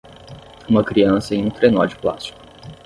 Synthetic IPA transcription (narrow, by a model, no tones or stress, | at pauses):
ũmɐkɾiɐ̃sɐẽj̃ũt̪ɾenɔ̰d͡ʒɪpla̰st͡ʃi̥kʊ̥